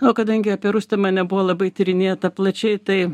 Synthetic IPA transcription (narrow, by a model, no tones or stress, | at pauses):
oːkɐd̪ɐŋʲɡʲɪɐpʲiɛɾʊsʲt̪ʲɛmɐnʲɛbʊʋoːlˠɐbɐɪt̪ʲɪɾʲɪnʲeːt̪ɐplˠɐt͡ʃʲɛɪt̪ɐɪ